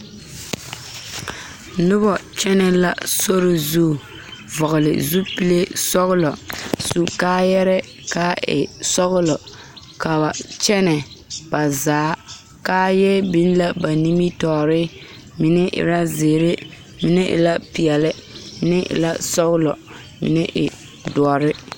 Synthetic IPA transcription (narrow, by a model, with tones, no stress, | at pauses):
nʊ˦bɔ˨t͡ʃɛ˦nɛ˦la̰˦so˦ɾɪ˨zu˦˨ | vɔ˨ɣʊ˨lɪ̰˨zu˦pi˦le˦sɔ˦ɣʊ˦lɔ˨su˨kaː˦jɛ˦ɾɛ˦ | ka˦ɪ̰˨sɔ˦ɣʊ˦lɔ˨ | ka˨ba˨t͡ʃɛ˦nɛ˨b̥a˨zaː˨˦ | kaː˦jɛ˦bi˦nla˦ba˨ni˦mi˦tɔː˨ɾɪ˦ | mɪ˨nɛ˦ʔɪ̰˨ɾa˦zeː˨ɾɪ˦ | mɪ˨nɛ˦ʔɪ̰˨la˦pi˨ɛ˨lɪ˦mɪ˦nɪ˦ʔɪ̰˨la˦sɔ˦ɣʊ˦lɔ̰˨ | mɪ̰˨nɛ˦ʔɪ̰˨ | dɔ˨ɔ˨ɾɪ˦